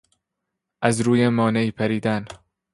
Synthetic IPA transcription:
ʔæzɾuːjemɒːneiːpʰæɾiːd̪æn

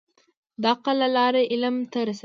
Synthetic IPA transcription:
d̪ɑqalalɑːɾeʔɪlamt̪aɾas

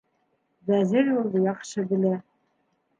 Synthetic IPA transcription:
bæzɘɾjulˠd̪ɤjɑχʃɤbɘ̆læ

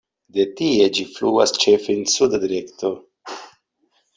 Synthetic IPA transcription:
d̪e̞tie̞d͡ʒifluast͡ʃefensud̪ad̪iɾekto

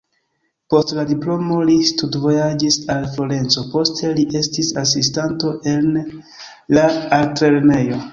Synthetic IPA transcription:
po̞stladiplo̞mo̞listudvo̞jad͡ʒisalflo̞ɾe̞nt͡so̞po̞stʰe̞liʔe̞stisas̬istanto̞ʔe̞n | laːltɾe̞ɾne̞jo̞

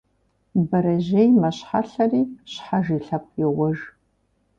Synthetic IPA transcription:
bɐɾɐʑejmɐɕħaɬɐriːɕħaʒiːɬɐp̚ʰjɪʁʷɔʒ

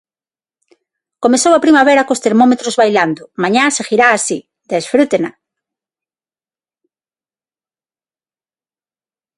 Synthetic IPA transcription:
komesowapɾimaβeɾakost̪eɾmomet̪ɾozβajland̪ʊmaɲasexiɾaːsi | d̪esfɾut̪ena

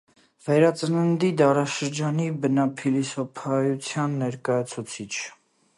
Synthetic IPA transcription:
vɛɾɑt͡sənənd̪id̪ɑɾɑʃəɾd͡ʒɑnibənɑpʰilisɔpʰɑjut͡sʰjɑnːɛɾkɑjɑt͡sʰut͡sʰit͡ʃʰ

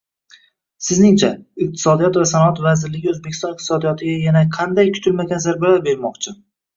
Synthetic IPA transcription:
sɪznɪŋt͡ʃʰaɪq̚t̪ʰɪ̥sɒd̪ijɒt̪vasanɒat̪vazɪɾlɪɡʲɪɵzbekʲʰːɪst̪ɒnɪq̚t̪ʰɪsɒd̪ijɒt̪ʰɪɡʲajanaqʰɑnd̪ajkʲʰʊ̥t̪ʰɪlmaɡʲanzaɾbalaɾbe̞ɾmɒqt͡ʃʰɪ

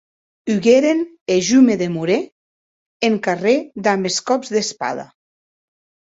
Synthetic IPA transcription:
yɣeɾen | eʒumeðemuɾe | eŋkared̪ambeskɔbzðespa̰ða̰

